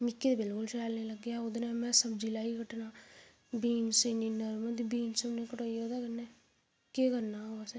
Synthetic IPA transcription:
mɪkːed̪eːbɪlkʊlʃʰɛːlneːləɡeaod̪nẽːmɛ̃səbd͡ʒɪlaːikəʈːnaː | biːnsəniːnəɾməd̪ibiːnsəbnẽːkəʈoːioːd̪aːkənːe | kekəɾnaːoase

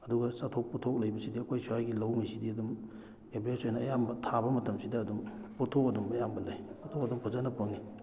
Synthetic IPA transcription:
ɐduɡɐsatʰok̚potʰok̚lɐjbɐsidiɐkʰojsuajɡilɐwŋijsidiɐdum | ebesojnɐːjambɐtʰabɐmɐtɐmsidɐːdumpotʰok̚ɐdumɐjambɐlɐjpotʰokɐdumpʰɐzɐnɐpʰɐŋi

